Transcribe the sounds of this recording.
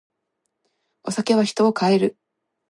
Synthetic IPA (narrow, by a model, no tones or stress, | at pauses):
o̞sake̞β̞açi̥t̪o̞ːkae̞ɾɯ̟